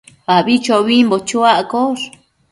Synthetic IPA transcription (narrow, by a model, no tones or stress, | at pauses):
βaβit͡ʃoβimbot͡ʃuaʔkoɾ